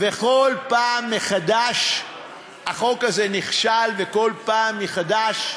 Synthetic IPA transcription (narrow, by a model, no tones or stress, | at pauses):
veko̞lpaːmːeχad̪aʃ | haχo̞kazeniχʃalveko̞lpaːmjeχad̪aʃ